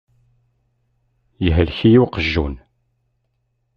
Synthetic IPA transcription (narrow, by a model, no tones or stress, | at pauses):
jəɦəlçijuwqəʒːṵn